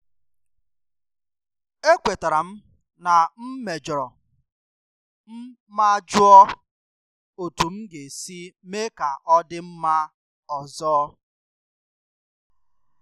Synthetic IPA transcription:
e˦kʷe˨ta˨ɾa˨m̩˦ | na˨m̩˦me˨d͡ʒɔ˨ɾɔ˨ | m̩˦ | ma˦d͡ʒʊ˦ɔ˦ | o˨tu˨m̩˦ɡe˨si˦me˦ka˨ʔɔ˦dɪ˦m̩˦ma˦ | ɔ˨zɔː˦

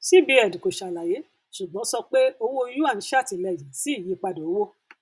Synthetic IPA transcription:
si˦bi˧˦ɛ˨dĩ˨ko˨ʃa˨la˨je˨˦ | su˨ɡ͡bɔ̃˨˦sɔ˧k͡pe˦o˧wo˦˧˦ju˦a˦˨ĩ˨˦ʃa˦˨ti˨lɛ˨jĩ˨si˦i˦˨ji˧k͡pa˧do˨o˦wo˦

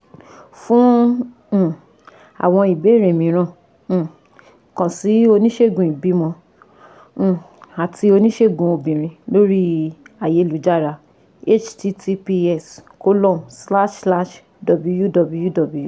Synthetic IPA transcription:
fũ˦˨ | a̰˨w̃ɔ̃˧i˨be˨˦˨ɾẽ˨mĩ˨˦ɾ̃ã˦˨˦ | kã˨si˨˦o˧nĩ˦ʃe˦˨ɡũ˨i˨bi˨˦mɔ̃˧˨ | a˨tʰi˧o˧nĩ˦ʃe˦˨ɡũ˨˧o˧bĩ˨ɾ̃ĩ˧lo˦ɾi˦a˨je˧˦˨lu˨˦d͡ʒa˦˨ɾa˧ | e˦t͡ʃti˧tʰi˧pi˧ɛ˦˨sko˦lɔ̃˦˨msla˦ʃsla˦˨ʃ | dɔ˨bu˦˧˦ju˦dɔ˧bu˧ju˦dɔ˨bu˨˧ju˦

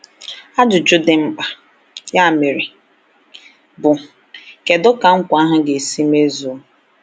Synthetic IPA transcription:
a˦dʊ˨d͡ʒʊ˦dɪ˨m̩˦k͡pa˨ | ja˦˨me˨ɾɪ˨ | bʊ˨ | ke˨dʊ˦ka˨ŋ̩˦kʷa˦ɦʊ˦ɡe˨si˦me˦zu˨˦

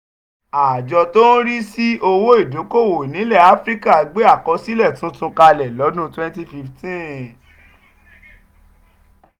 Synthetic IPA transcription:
a˨d͡ʒɔ˧to˦n̩˦ɾi˦si˦o˧wo˦i˦˨do˨˦ko˦˨wo˨nĩ˨˦lɛ˦˨a˨˦fɾi˦ka˦˨a˧˦ɡ͡be˦a˦˨kɔ˧si˦lɛ˦˨tũ˨˦tũ˧˦ka˧lɛ˨lɔ˨˦nũ˦twɛ̃˦nti˦fi˧ftĩ˦

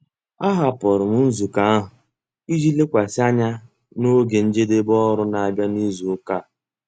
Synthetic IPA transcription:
a˦ɦa˨pɔ˨ɾʊ˨m̩˦n̩˦zu˨ka˨a˦ɦʊ˨ | i˦d͡ʒi˦le˦kʷa˨sɪ˦a˦ɲa˦ | no˦ɡe˨n̩˦d͡ʒe˦de˦bɔ˦ɾʊ˦na˨a˨bja˦ni˦zu˨ʊ˦ka˦˨

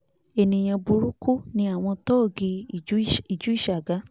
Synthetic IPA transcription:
e˨nĩ˨j̃ã˨˧bu˧ɾu˦ku˦nĩ˧a˦˨w̃ɔ̃˧tɔ˦˨ɡi˧˨˦i˨d͡ʒu˨˦i˦˨ʃa˨ɡa˨˦

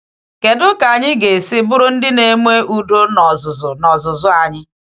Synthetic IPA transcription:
ke˨dʊ˦ka˨ɲɪ˦ɡe˨sɪ˦bʊ˦ɾʊ˦n̩˦dɪ˦ne˦mʷe˦ʔu˨do˦nɔ˨zʊ˨zʊ˨nɔ˨zʊ˨zʊ˦a˨ɲɪ˦

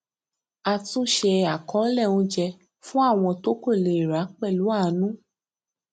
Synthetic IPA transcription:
a˧tũ˦ʃe˧a˨kɔ˨˦lɛ˦˨ũ˧d͡ʒɛ˧ | fũ˦a˦˨w̃ɔ̃˧to˨˦ko˦˨le˨ɾa˨˦k͡pɛ˦˨lu˨˦a˦˨˦nũ˦

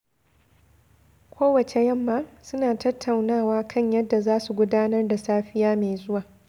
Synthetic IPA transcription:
kʷʰoː˦wɐ˨t͡ʃe˨jɐ˦mːaː˦sʊ˦naː˨tɐ˦tːa˨wnaː˦˨waː˦kʰɐ˦˨ɲjɐ˦dːa˨zaː˦su˨ɡʷʊ˦daː˦nɐ˦rda˨saː˦ɸɪ˦jaː˦me˨jzʊ˦waː˨

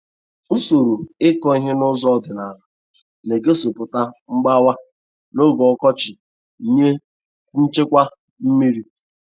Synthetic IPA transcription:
so˨ɾu˨ɪ˦kɔ˦i˦ɦe˦nʊ˦zɔ˦dɪ˨na˨la˨ | ne˨ɡe˦so˨pʊ˨ta˦ŋ͡m̩˦ɡ͡ba˦wa˦ | no˦ɡɔ˨ɔ˦kɔ˦t͡ʃɪ˨ | i˨ɲe˦ | n̩˦t͡ʃe˦kʷa˦ | m̩˦mi˦ɾi˦

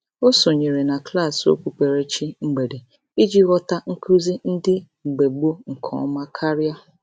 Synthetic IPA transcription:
o˦so˨ɲe˨ɾe˨na˨kla˦˨so̰˦kʷu˦k͡pe˨ɾe˦t͡ʃi˦ŋ͡m̩˦ɡ͡be˨de˨ | i˦d͡ʒi˦ɣɔ˦ta˦ŋ̩˦kʰu˦zi˦n̩˦dɪ˦˨ | ɡ͡be˨ɡ͡bu˦ŋ̩˨kʰɔ̰˨˦ma˦kʰa˦ɾja˦

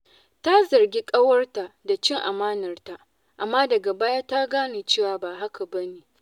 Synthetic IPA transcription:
ta˦zɐ˨rɡʲi˦kʼɐ˦wɐ˦rta˨da˨t͡ʃɪ˦ŋʔa˨maː˦nɐ˨rta˨ʔ | ʔa˨mːaː˦dɐ˨ɡa˨baː˦ja˦ta˦ɡaː˦ne˨t͡ʃeː˦˨waː˨baː˨ɦa˦ka˨bɐ˦neː˨

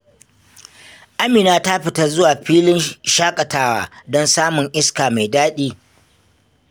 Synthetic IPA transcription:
ʔa˦miː˨naː˦ta˦ɸɪ˨tɐ˦rzʊ˦waː˨ɸiː˦lɪ˦nʃaː˦kʼɐ˨taː˦wa̰ː˨˦dɔ˦nsaː˦mʊ˨ŋʔɪ˦skaː˨ma˨jdaː˦ɗiː˦

